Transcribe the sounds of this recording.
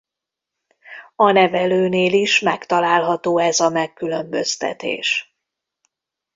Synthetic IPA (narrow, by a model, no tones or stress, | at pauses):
ɒnɛvɛløːneːliʃmɛkt̪ɒlaːlɦɒt̪oːɛzɒmɛkːylø̞mbø̞st̪ɛ̰t̪ḛːʃ